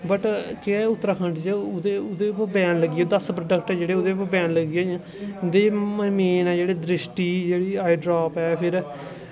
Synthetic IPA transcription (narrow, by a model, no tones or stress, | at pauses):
bəʈkɪɛːʊt̪ːəɾaːkʰəɳɖd͡ʒeʊd̪eːʊd̪eːpːbɛ̃ːnləɡieːd̪əspəɾəɖəkʈɛːd͡ʒeːɽeːʊd̪eːpːbɛ̃ːnləɡiẽː | d̪emeːnɛːd͡ʒeːɽeːd̪ɾɪʃʈiːd͡ʒeːɽiːaːiɖɾaːpɛːpʰɪɾ